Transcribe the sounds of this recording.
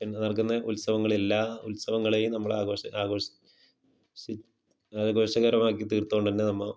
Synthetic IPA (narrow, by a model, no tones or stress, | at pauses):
pinːnɐrkːunːɐʔulsɐʋɐŋːɐɭe̞lːaːulsɐʋɐŋːɐɭeːjumnɐmːɐɭaːɣo̞ːɕɐ̰ʔaːɣo̞ːɕɐ | si | aɣo̞ːɕɐɣɐɾɐmaːk̬ːit̪iːrt̪ːuoɳɖt̪ɐnːenɐmːɐ